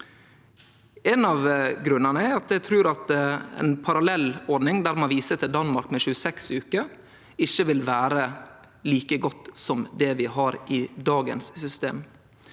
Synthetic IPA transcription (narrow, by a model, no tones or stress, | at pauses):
ɛnɑʋɡɾʉnːənəæɾɑt̪̚d̪æɪt̪ʰɾʉːɾɑt̪ɛ̰npʰɑɾɑlɛlːɔɾɖ̪nɪŋd̪æːɾmɑnʋiːsət̪ʰɪld̪ɑnmɑɾkmɛʃʉːəsɛksʉːkə | ɪçːəʋɪlʋæːɾə | liːkəɡɔt̪ːsɔmd̪ɛʋɪɦɑɾʔɪd̪ɑːɡə̰nssʏst̪ḛːm